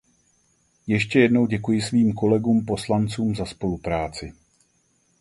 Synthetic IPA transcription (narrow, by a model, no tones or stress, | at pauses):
jɛʃcɛjɛdno̞wɟɛkujɪsviːmko̞lɛɡuːmpo̞slant͡suːmzaspo̞lupɾaːt͡sɪ